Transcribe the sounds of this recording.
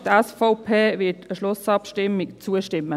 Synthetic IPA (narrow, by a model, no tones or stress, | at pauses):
tɛsfɔʊpʰeːvɪtəʃlʊsɑpʃtɪmːɪkt͡suəʃtɪmːə